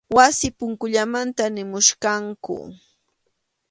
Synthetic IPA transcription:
wasɪpʊŋkʊʎamant̪anɪmʊʃɢɑŋkʊ̰

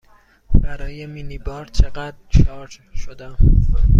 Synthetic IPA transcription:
b̥æɾɒːjeminibɒːɾt͡ʃʰe̞ɡæd̪ɾʃɒːɾd͡ʒ | ʃod̪æm

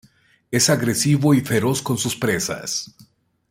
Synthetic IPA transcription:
e̞saɣɾe̞siβo̞ife̞ɾo̞sko̞nsuspɾe̞sa̰s

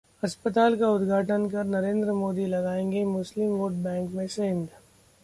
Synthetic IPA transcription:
ɐspət̪aːlkaʊd̪ɡʱaːʈənkɐɾnɐɾẽːnd̪ɾəmoːd̪ilɐɡaːẽːŋɡemʊslɪmʋoːʈbɛ̃ːŋkmẽʃeɦɪ̃nd̪

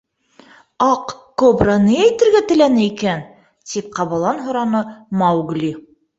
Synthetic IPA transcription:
ɑqkobɾɑnɤjæjt̪ɘ̆ɾɡæt̪ɘ̆lænɘikæn | t̪ip̚qɑβɑ̆lˠɑnɦŏɾɑnɤmɑwɡlʲi

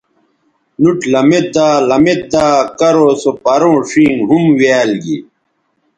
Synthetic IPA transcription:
nuʈlɐmet̪̚d̪aːlɐmet̪̚d̪aːkɐɾoːsopɐɾõːʂĩːŋɦumwaːlɡḭ

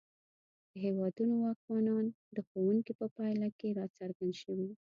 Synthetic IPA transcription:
d̪̥əɦewɑd̪unoaqwɑnɑn | d̪əxowuŋkipəpɑjlakeɾɑt͡saɾɡand̪ʃəwi

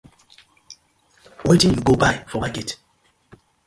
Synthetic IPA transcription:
wʔetĩnjuɡobajfɔmakɛt

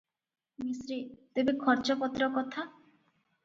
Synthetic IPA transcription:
misɾit̪ebekʰɔɾt͡ʃɔpɔt̪ɾɔkɔt̪ʰa

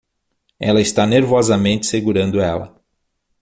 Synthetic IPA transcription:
ɛlɐɪst̪aneɾvɔzɐmẽnt̪ɪ̥seɡuɾɐ̃nd̪ʊɛlɐ̰

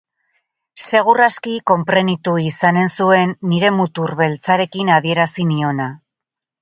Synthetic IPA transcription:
se̞ɣ̞uraskiko̞mpɾe̞nit̪uisane̞nsue̞nːiɾe̞mut̪urβe̞lt͡saɾe̞kinað̞ie̞ɾasinio̞na

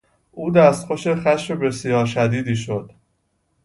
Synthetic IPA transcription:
ʔuːd̪æst̪xoʃexæʃmebe̞sijɒːɾʃæd̪iːd̪iːʃod̪̥

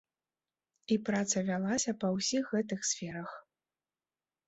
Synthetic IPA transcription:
ipɾat̪sɐvʲalˠasʲɐpɐwsʲixːɛt̪̬ɨxsʲfʲɛɾɐx

